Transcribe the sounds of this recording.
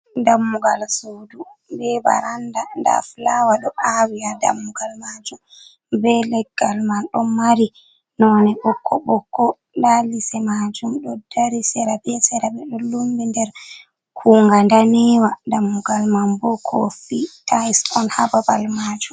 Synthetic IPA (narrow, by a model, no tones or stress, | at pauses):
damːuɡalsudubɛba̰ɾandanda̰flawaɗɔʔawiada̰mːuɡalmad͡ʒum | bɛlɛɡːalmanɗɔmaɾi | nɔnɛɓɔkʰːɔɓɔkːɔ | lalisɛmad͡ʒumɗɔdaɾisɛɾabɛsɛɾabɛɗɔlumbindɛɾ | kʰuːŋɡandanɛwadamːuɡalmambɔkʰo̰fitʰasɔnhababalmad͡ʒum